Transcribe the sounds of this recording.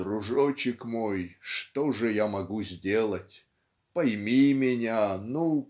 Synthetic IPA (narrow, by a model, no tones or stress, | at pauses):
rʊʐot͡ɕɪkmo̞jʂt̪oʐɨjamɐɡuzʲdʲelˠətʲ | pɐjmʲimʲɪnʲanu